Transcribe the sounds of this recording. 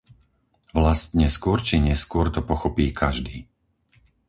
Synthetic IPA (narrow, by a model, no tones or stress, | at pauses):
ʋlast̪ɲɛskʊɔɾt͡ʃiɲɛskʊɔɾt̪ɔpɔxɔpiːkʰaʒd̪iː